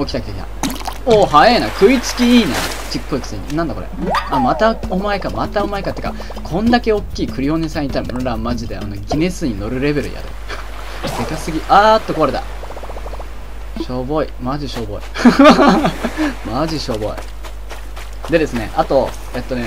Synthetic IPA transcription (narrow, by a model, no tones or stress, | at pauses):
okʲi̥t̪akʲit̪aki̥t̪a̰oɦaenakʰɯ̟it͡sɨ̥kʲiiːna̰ | t͡ɕikːoikɯ̟̥seɲ̟ḭnãnd̪akoɾḛamat̪aomaekamat̪ao̞maekat̪ːe̥ɯ̥ka | kʰõ̞nd̪ake̞o̞kʲːiːkɯ̟ɾʲio̞nesãĩɲit̪aɾimonoɾamaʑid̪e̞a̰noɡʲine̞sɨɲ̟ino̞ɾɯ̟ɾe̞be̞ɾɯ̟̰j̰a̰d̪ḛ | se̞kasɨɡʲiʔat̪ːokoaɾe̞t̪a̰ | ɕo̞bo̞imaʑiɕo̞ːbo̞̰ḭ | maʑiɕo̞ːbo̞̰ḭ | d̪e̞d̪e̞sɨne̞̰ʔat̪o̞ | e̞t̪ːo̞ne